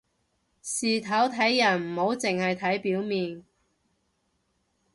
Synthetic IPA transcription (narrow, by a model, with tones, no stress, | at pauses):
siː˨t̪ʰɐ˨˥wt̪ʰɐ˨˥jːɐ˨˩nm̩˨˩ho˨˥wt͡sɪ˨ŋhɐ˨jt̪ʰɐ˨˥jpiː˨˥wmiː˨n